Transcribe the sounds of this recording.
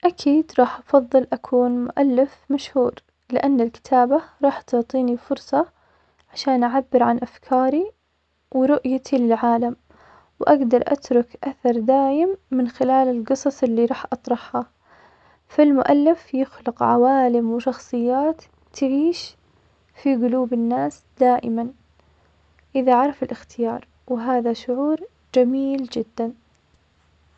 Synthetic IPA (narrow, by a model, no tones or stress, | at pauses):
ʔakʰiːd̪ɾˤɑːħʔɑfɑðˤːɨlʔakʰuːnmʊ̰ʔalːɪfmaʃhuːɾ | lɪʔanːalkɪ̥t̪ʰaːbaɾˤɑːħt̪ʊʕt̪ˤiːnifʊɾsˤɑ | ʕaʃaːnʔaʕabːɪɾʕanʔafkʰɑːɾi | wɾʊʔjat̪ʰilɪlʕaːlam | wʔaɡd̪ɑɾˤʔa̰t̪ɾʊkʔaθɑɾˤd̪aːjɪmːɪnxɪlaːlɪlɡɨsˤɑsˤɪlːiɾˤɑːħʔɑt̪ˤɾˤɑħha | fɪlmʊʔalːɪfjɪxlɪqʕawaːlɪmwɪʃɑxsˤɨjːaːt̪ː | aʕiːʃ | fiɡʊluːbɪnːaːs | d̪aːʔɪman | ʔɪðaʕɑɾˤɑfɪlʔɪxt̪ɪjɑːɾˤ | wɪɦaːðaʃʊʕuːɾ | d͡ʒamiːld͡ʒɪd̪ːan